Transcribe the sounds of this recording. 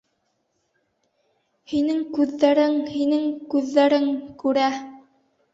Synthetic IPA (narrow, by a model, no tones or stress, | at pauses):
hinɘŋkʉðːæɾɘŋhinɘŋkʉðːæɾɘŋkʉɾæ